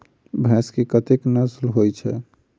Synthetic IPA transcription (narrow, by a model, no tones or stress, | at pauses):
bʱɛ̃skekət̪eknəslɦojt͡ʃʰɛ̰